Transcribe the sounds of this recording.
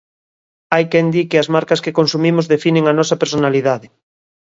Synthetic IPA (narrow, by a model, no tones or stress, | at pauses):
ajkɛnd̪ikɪɐzmaɾkɐskekonsumimʊzðefinẽŋanɔsɐpeɾsonaliðaðɪ